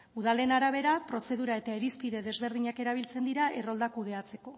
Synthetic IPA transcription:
uðale̞naɾaβ̞e̞ɾapɾo̞se̞ðuɾae̞t̪aeɾispiðe̞ðe̞zβe̞ɾðiɲake̞ɾaβ̞ilt͡se̞nd̪iɾaʔe̞ro̞ld̪akuð̞e̞at͡se̞ko̞

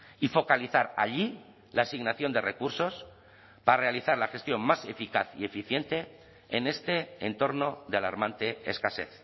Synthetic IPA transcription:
ifo̞kaliθaɾa̰ʎi | laːsiɣnaθjo̞nd̪e̞re̞kuɾso̞s | paɾare̞aliθaɾlaxe̞st̪jo̞mmase̞fikaθie̞fiθje̞nt̪e̞ː | ne̞st̪e̞ːnt̪o̞ɾno̞ðeala̰ɾmãnt̪e̞eskase̞̰θ

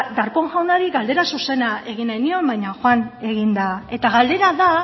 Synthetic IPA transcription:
d̪aɾpo̞ŋʝawnaɾiɣald̪e̞ɾasuse̞naʔe̞ɣ̞inaniombajɲaxwane̞ɣ̞ind̪ae̞t̪aɣald̪e̞ɾaða

